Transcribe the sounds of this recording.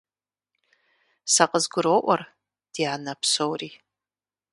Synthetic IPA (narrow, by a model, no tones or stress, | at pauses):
saqʼəzɡʷʊɾoʔʷar | d̥janapʰsowri